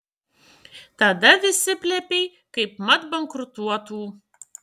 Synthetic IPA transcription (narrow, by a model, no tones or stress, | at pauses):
t̪ad̪ɐʋʲɪsʲːɪpʲlʲæpʲej | kɐɪpmɐt̪bɐŋkɾʊt̪uɔt̪uː